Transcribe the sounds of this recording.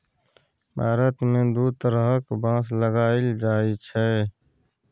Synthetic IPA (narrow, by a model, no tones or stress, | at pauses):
bʱaːɾət̪mẽːd̪uːt̪əɾɦkbãːsləɡaːild͡ʒaːit͡ʃʰɛː